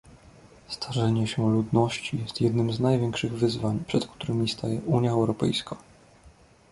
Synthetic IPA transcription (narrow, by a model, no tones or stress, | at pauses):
st̪ʰaʐɛɲɛɕɛlud̪nɔɕt͡ɕijɛst̪jɛd̪nɘmznajvʲjɛŋkʂɘɣvɘzvaɲpʂɛt̪kt̪uɾɘmʲist̪ʰajɛʔuɲjaɛwɾɔpɛ̰jskʰa